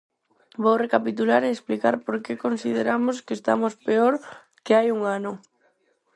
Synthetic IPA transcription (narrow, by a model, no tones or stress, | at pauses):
bowrekapit̪ulaɾeːsplikaɾpoɾkekonsið̞eɾamoskɪest̪a̰mospeoɾ | keajuŋanʊ